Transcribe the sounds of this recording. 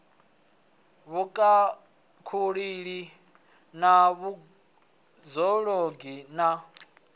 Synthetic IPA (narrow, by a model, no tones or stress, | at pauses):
βukʼa | kʰuɺiɺi | naβu | zɔɺoɡina